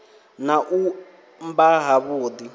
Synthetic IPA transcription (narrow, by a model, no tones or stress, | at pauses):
naʔu | mbaɦaβuːd̪i